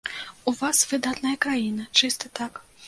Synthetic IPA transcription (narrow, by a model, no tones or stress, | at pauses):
uvasvɨd̪at̪nɐjɐkɾajinɐt͡ʂɨst̪ɨt̪ak